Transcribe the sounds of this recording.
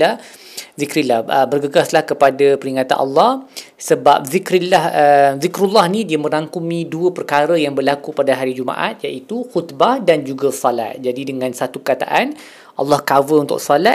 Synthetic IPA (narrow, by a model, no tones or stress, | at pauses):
a | zikɾilahəbərɡəɡaslahkəpadapəɾiŋãt̪a̰nʔɑ̰lːɑh | səba̰p̚zikɾilahəzikɾulːɑhnidiəmə̃ɾaŋkumĩduəpərkaɾəjaŋbərlakupadaɦaɾid͡ʒuma̰ʔa̰t̪̚jaʔit̪uxut̪bahdand͡ʒuɡasɔla̰t̪̚d͡ʒadidəŋãnsat̪upəkat̪a̰ʔan | ʔɑ̰lːɑhkawəunt̪ʊ̰ksɔla